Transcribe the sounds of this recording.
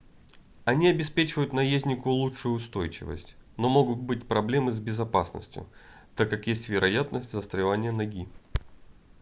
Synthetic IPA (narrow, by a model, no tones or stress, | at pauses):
ɐnʲiɐbʲɪspʲet͡ɕɪvəjʊt̪nɐjezʲnʲɪkʊlˠuʂʊjʊːst̪o̞jt͡ɕɪ̰və̰sʲtʲno̞mo̞ɡʊt̪̚bɨtʲpɾɐblʲe̞mɨzbʲɪzɐpasnə̰sʲtʲjʊ̰t̪akːakjesʲtʲvʲɪɾʔɐjat̪nəsʲtʲzəst̪ɾʲɪvanʲɪjənɐɡʲi